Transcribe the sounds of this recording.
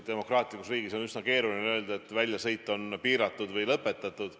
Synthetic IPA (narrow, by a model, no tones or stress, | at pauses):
d̪̥e̞mo̞krɑːt̪ˑlikːusriːɡ̥iso̞nysnɑke̞ːɾulineø̞ːld̪ɑe̞t̪ːˑvælʲjɑsɤ̞jt̪ːˑo̞npiːɾɑt̪ːˑud̪vɤjlɤpːˑe̞t̪ːˑɑt̪ːˑud̪̥